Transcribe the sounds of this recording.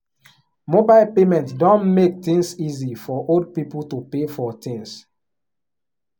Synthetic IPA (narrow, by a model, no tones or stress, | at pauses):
mobalpemɛ̃ntdɔ̃nmek̚t̪ĩŋsizifɔʔold̚pipultupefɔt̪ĩŋs